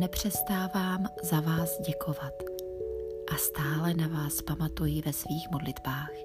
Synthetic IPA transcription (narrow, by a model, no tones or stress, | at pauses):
ɛpr̝̥ɛst̪aːvaːmzavaːzɟɛkʰo̞vat̪ | ʔast̪aːlɛnavaːspamat̪ujɪvɛsviːxmodlɪd̪baːx